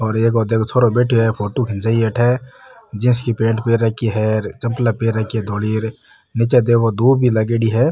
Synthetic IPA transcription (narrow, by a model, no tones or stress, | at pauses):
ɔːɾeːkod̪eːkʰot̪ʰoɾobeːʈʰoɦɛpʰoːʈokʰɪ̃nsaieːʈʰɛd͡ʒɪ̃skipẽːɳʈpeːɾɛkiɦɛɾt͡ʃəmplapeːɾɐɦkiɦɛd̪oːliːɾ | nit͡ʃed̪ekod̪uːbʱilɐɡeɽiɦɛː